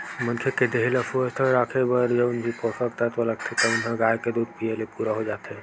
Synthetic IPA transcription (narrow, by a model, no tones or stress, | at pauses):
mə̃nkʰeked̪eɦiləfuəst̪ʰəɾaːkʰebəɾd͡ʒəbʊnd͡ʒʱipɔsəkt̪aɦt̪oləɡ̚t̪ʰet̪ɔʊnɦãɡaːjked̪uːd̪̚pielepuɾaɦod͡ʒaːt̪ɦɛ